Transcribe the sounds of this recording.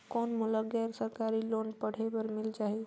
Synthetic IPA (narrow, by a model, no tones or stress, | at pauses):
koːnmuləɡɛɾsəɾkaɾilonpəɽ̤ebəɾmɪlt͡ʃaɦi